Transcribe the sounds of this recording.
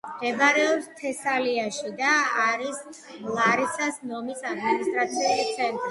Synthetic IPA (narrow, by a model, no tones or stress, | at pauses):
mɡɛbaɾɛɔpst̪ʰɛsaliaʃid̪aːɾis | lˠaɾisasnɔmisad̪minist̪ʼɾat̪sʰiɛlit̪sʰɛnt̪ʼɾi